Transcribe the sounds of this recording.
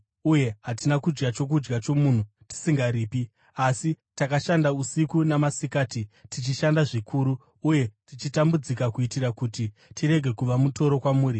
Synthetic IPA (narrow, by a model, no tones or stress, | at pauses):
uje̞ɦatinakud͡ʒɡat͡ʃo̞k̬ud͡ʒɡat͡ʃo̞mun̤u | ti̥siŋɡaɾiːpi | asitakaʃandausikunamasikaːtitit͡ʃiʃandaʐikʰuːɾuː | je̞tit͡ʃitambud͡zikakuitirɾakuti | tʰiɾe̞ɡʱe̞kuʋamuto̞ɾo̞kwamuːɾi